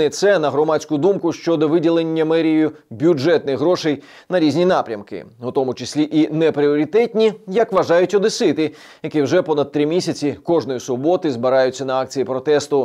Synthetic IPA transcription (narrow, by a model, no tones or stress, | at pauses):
ɪt̪sɛnɐɦɾɔmat͡sʲkʊd̪umkʊʃt͡ʃɔd̪ɔʋɪdʲilˠenʲːɐmɛɾʲijʊbʲjʊʐɛt̪nɪxɦɾɔʃej | nɐɾʲizʲnʲinɑpɾʲɐmkɪ̰ʊt̪ɔmʊt͡ʃɪsʲlʲiʔinɛpɾiɔɾʲit̪ɛtʲnʲijɐkʋɐʒɑjʊtʲɔd̪ɪsɪt̪ɪ | jɐkiwʒɛpɔnɐd̪̚t̪ɾɪmʲisʲɐt͡sʲikɔʐnɔjisʊbɔt̪ɪzbɪɾɑjʊt͡sʲːɐnɐɑk̚t͡sʲijipɾɔt̪ɛst̪ʊ